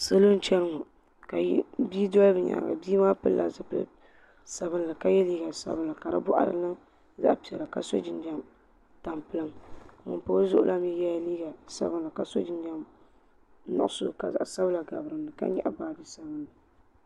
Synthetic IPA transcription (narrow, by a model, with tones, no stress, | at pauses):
sɨ˦lo˦n̩˦t͡ʃɛ˦ɾɨ˦ŋɔ˨ | ka˨˦bi˦dɔ˦lbɨ˨ɲa̰˨ɡa̰˨biː˦maː˦pɨ˦lːʔa̰˨zɨ˦pl̰ | sa˨βɨ˦nla˨ka˦jɛ˦liː˦ɡa˨sa̰˦bɨ˦la˨ka˨ɾɨ̰˦bʊ˦ʔa̰˨ɾɨ̰˦nɨ˦ | za̰˦ʔpi˨ɛ˨la˨ka̰˨so̰˦d͡ʒɪ˨nda˦m | ta˨mpɨ˦lɨ˦m˨ŋʊ̰˨po˦zʊ˦ʔʊ̰˦lʔa˦mi˦jɛ˦liː˦ɡa˨sa̰˦bɨ˦nla˨ka˨so̰˦d͡ʒɪ˦ndɛ˦m | nɔ̰˨ʔso̰˦ka˨za˨sa˦bla˨ɡa̰˨bɾɨ˨mdɨ˨ka̰˦ɲɛ̰˦ʔa˨baː˨dɨ˦sa˦bɨ˦nla˨